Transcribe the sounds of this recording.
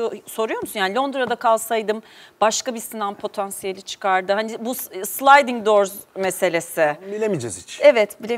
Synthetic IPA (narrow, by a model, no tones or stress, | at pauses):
so̞ɾujo̞ɾmsunjaːnlʲo̞nd̪ɾad̪akʰalˠsajd̪ɯmbaʃkabisinampʰo̞t̪ʰansijelʲit͡ʃʰɯ̥kʰaɾd̪ɯhanibusslˠajd̪iŋd̪o̞ɾzmese̞lʲe̞sɪbilʲemid͡ʒɛzit͡ʃevɛt̪bilʲe